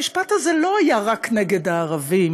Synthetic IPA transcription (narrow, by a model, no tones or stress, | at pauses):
iʃpat̪hazelo̞ajaʁakneɡe̞d̪aːʁavim